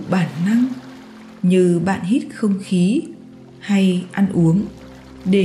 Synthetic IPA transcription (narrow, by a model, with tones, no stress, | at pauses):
ɓaː˧˩nːa˧ŋ | ɲɨ˧ɓa̰ː˧˨nhi˦˥t̚xə˧wŋ͡mxi˨˦ | ha˧jʔa˧nʔu˨˦əŋ | ɗe˧˩